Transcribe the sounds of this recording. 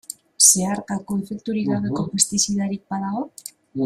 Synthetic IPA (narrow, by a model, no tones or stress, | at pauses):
se̞aɾkakoefek̚t̪uɾiɣaβe̞ko̞pest̪isiðaɾik̚baðaɣo